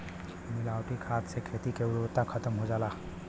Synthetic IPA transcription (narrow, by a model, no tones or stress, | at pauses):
mɪlaːwʈikʰaːt̪sekʰeːt̪ikeʊɾot̪akʰət̪əmɦod͡ʒaːla